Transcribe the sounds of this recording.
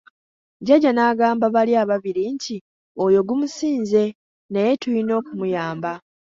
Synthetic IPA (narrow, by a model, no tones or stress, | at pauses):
ɟaɟanaːɡaːmbaβaliaːβaβiɾiɲci | ojo̞ɡumusiːnze̞ | nejetulino̞ːkumujaːmba